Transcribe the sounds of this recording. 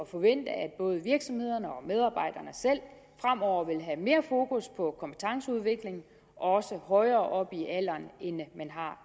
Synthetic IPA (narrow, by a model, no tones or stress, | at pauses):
ɒ̽fɒ̽ʋen̰d̥əæd̥̚b̥ɔ̽ːð̞ˠəʋiɐɡ̥sɒ̽mhe̝ð̞̰ˠɐnəɒ̽með̞ˠɑ̈ːb̥ɑ̈ɪ̰d̥ɐnəsel̰ | fʁamɒʊ̰ɐʋe̝lɦæme̝ːɐfo̝ːkuspʰɒ̽kʰɒ̽mpʰe̥t͡sʰɑ̈ŋsəuð̞ˠʋe̝ɡ̥le̝ŋ̩ | ʔɒ̽səhɒ̽ɪɐːʔɒ̽b̥iʔæl̰ɐnenmænɦɑ̈